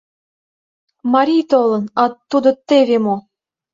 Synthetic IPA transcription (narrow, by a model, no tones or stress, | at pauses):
mɑɾʲijt̪olˠɤ̆nɑt̪ːud̪ɤ̆t̪ːevʲemo